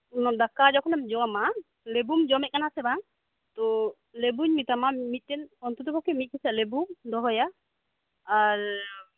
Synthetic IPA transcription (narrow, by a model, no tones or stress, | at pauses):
dakad͡ʒɔkʰɔnɛmd͡ʒɔma | lebumd͡ʒɔmɛk̚anasɛbaŋ | t̪ɔ | lebuɲmit̪amamit̪̚tɛnɔnt̪utɔpɔkʰimit̪̚kisalebumd̪ɔɦɔjaː | ɹ